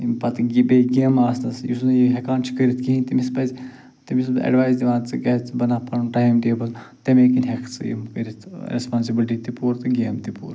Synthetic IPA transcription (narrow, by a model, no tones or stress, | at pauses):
impɐt̪ɡʲibeɡeːmaːsnɐsjḭsunɐjiɦekaːnt͡ʃʰi̥kəɾʲit̪kiɦĩnt̪imispɐzʲ | t̪imis̬ɐ̰ɖʋaːjzd̪ʲiʋãːnt͡sɨɡɛt͡sɨbɐnaːpɐnnʈaːjmd̪eːbɐl | t̪emekinʲɦekʰt͡sɨjḭmkəɾit̪ʰɾespaːnsibilʲʈ̬it̪ipuːɾt̪ɨɡeːmt̪ipṵːɾ